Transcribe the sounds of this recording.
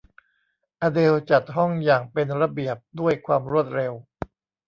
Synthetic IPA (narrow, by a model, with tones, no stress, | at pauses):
ʔaː˧de˧wt͡ɕa˨˩t̪̚ɦɔ˥˩ŋjaː˨˩ŋpe˧nɾa˧bi˨˩əp̚du˥˩əjkʰwaː˧mɾu˥˩ət̪̚ɾe˧w